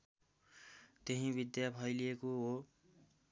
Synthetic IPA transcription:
t̪eɦĩbid̪japʰʌjlijekoɦo

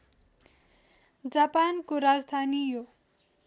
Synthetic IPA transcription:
d͡zapankoɾad͡zd̪ʱanijo

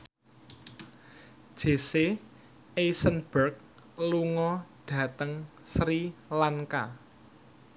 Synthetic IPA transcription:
d̥ʒ̥e̤se | ʔesənb̥ərk̚ | luŋɔɖ̥ä̤t̪əŋ | sɾilaŋka

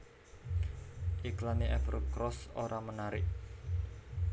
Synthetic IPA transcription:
ʔiklaniʔɛfərkɾɔsoɾʔamənaɾɪʔ

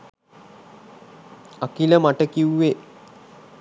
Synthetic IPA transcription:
akiləmaʈəkiwuːe

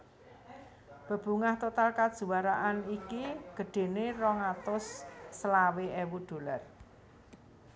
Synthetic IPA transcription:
b̥ə̤b̥ṳŋaht̪ot̪alkad̥ʒ̥ṳwaɾaʔanikiɡ̥ə̤ɖ̥e̤nerɔŋat̪ʊsːəlaweewud̪̥o̤lar

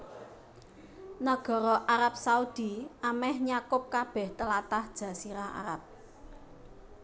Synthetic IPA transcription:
nəɡ̥ɔ̤ɾɔʔaɾap̚saud̪̥i̤amɛhɲakʊp̚kab̥ɛht̪əlat̪ahd̥ʒ̥a̤siɾaa̰ɾa̰p̚

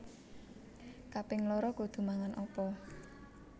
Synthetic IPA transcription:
kapɪŋlɔɾɔɡ̥o̤d̪̥ṳmaŋanʔɔpɔ

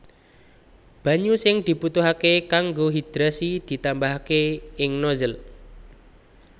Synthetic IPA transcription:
b̥a̤ɲusɪŋd̪̥i̤put̪uɦakekaŋɡoɦid̪̥ɾasid̪̥i̤t̪ambaɦkeɪŋnozəl

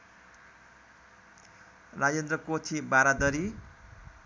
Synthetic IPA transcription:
rajend̪rʌkot̪ʰibaɾad̪ʌɾi

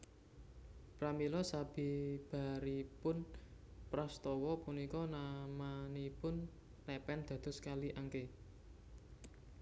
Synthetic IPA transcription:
pɾamilɔsab̥i̤b̥a̤ɾipʊnpɾɔst̪ɔwɔpunikɔnamanipʊn | lɛpɛnd̪̥ä̤d̪̥ɔ̤skaliʔaŋke

